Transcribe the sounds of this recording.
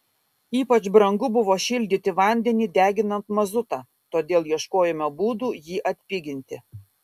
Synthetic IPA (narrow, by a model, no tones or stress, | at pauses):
iːpɐt͡ʃbɾɐŋɡʊbʊʋoːʃʲɪlʲd̪ʲɪt̪ʲɪʋɐˑnʲd̪ʲɛnʲiːd̪ʲæːɡʲɪnɐnt̪mɐzʊt̪ɑː | t̪oːd̪ʲeːlˠjiɛʃkoːjɛmʲobuːd̪uːjiːʔɐt̪ʲpʲɪɡʲɪnʲt̪ʲɪ